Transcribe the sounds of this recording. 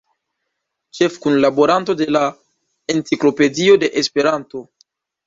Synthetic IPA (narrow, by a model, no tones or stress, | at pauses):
t͡ʃe̞fkunlaboɾanto̞de̞la | entiklo̞pe̞dio̞de̞ʔespe̞ɾanto̞